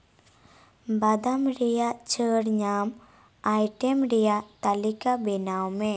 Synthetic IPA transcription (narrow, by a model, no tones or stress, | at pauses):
bad̪amɾɛjaʔt͡ʃəɽɲam | ajʈɛmɾɛjaʔt̪alikabɛnawmɛ